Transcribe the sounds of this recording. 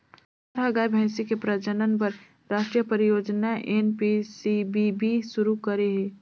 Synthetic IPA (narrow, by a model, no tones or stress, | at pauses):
əɾɦəɡaːbʱɛ̃ɪsikepɾəd͡ʒənənpəɾ | ɾaːʃʈɾijəpəɾijoːd͡ʒnaʔenpisibibisʊɾukəɾeɦe